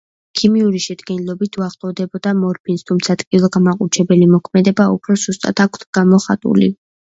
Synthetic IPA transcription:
kʰimiuɾiʃɛd̪ɡɛnilˠɔbit̪ʰuaχlʼɔvd̪ɛbɔd̪amɔɾpʰinst̪ʰumt̪sʰat̪ʼkʼilˠɔɡamaqʼut͡ʃʰɛbɛlimɔkʰmɛd̪ɛbaṵpʰɾɔzust̪ʼa̰t̪ʰakʰt̪ʰɡ̥amɔχa̰t̪ʼṵlḭ

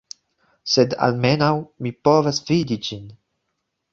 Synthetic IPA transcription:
sed̪a̰lmenawmipɔvasvid̪id͡ʒin

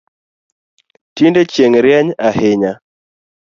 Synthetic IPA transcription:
tindet͡ʃjeŋɾjɛɲahɪɲa

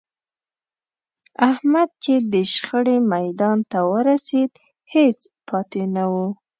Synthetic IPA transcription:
ahmad̪̚t͡ʃed̪əʃxəɽemajd̪ɑnt̪awəɾased̪ | het͡spʰɑt̪enawu

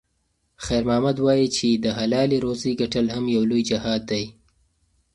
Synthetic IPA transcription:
xajɾmɑːmad̪wɑjit͡ʃʰed̪əɦalɑliɾoziɡaʈəlhamjawlojd͡ʒɪhɑd̪̚ːaj

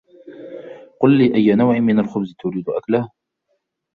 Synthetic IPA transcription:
qʊlːiːʔajːanawʕɪnmɪnalxʊbzt̪ʊɾiːd̪ʊʔaklah

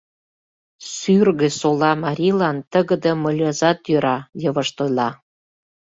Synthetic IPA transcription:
syrɣĕsolɑmɑɾʲilɑnt̪əɣə̆d̪ə̆məlʲɑzɑt̪jøɾɑjəβəʃt̪ojlɑ

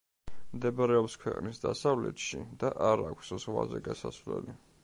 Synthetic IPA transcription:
md̪ɛbaɾɛɔpskʰwɛqʼnisd̪asavlɛt̪ʃid̪̥aʔaɾakʷʰsz̥ʁwazɛɡasasvlɛ̰li

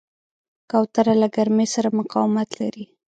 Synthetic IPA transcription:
kawt̪aɾalaɡaɾmesaɾamʊqɑwmat̪la̰ɾi

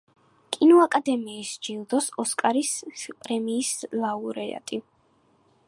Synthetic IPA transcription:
kʼinɔakʼad̪ɛmiːsd͡ʒilˠd̪ɔsɔskʼaɾispʼɾɛmiːslˠauɾɛa̰t̪ʼi

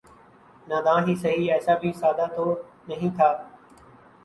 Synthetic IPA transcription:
naːd̪ãːɦiːsəɦiːɛːsaːbʱiːsaːd̪aːt̪ʰoː | nəɦĩːt̪ʰaː

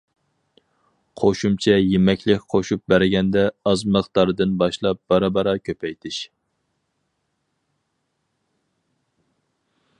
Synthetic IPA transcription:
qʰoʃumt͡ʃʰɛjemɛkʲlɪkʲqʰoʃup̚bæɾɡʲɛnd̪ɛɑzməqt̪ɑɾɨd̪ɨnbɑʃlˠɑp̚b̥ɑɾɑbɑɾɑkʲʰøpʰɛjt̪ʰɪʃ

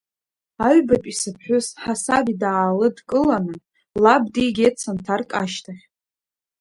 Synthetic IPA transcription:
aɥbapʼisɨpʰħʷᶣʊzħasabidaːlɨdkʼɨlanɨ | labdiɡʲet͡sʰantʰarkʼaʃtʰaχʲ

